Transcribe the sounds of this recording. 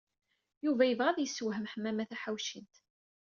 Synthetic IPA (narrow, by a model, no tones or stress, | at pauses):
juvæjəvʁæðjəsːuwɦəmħəmːæmæθæħawʃint̪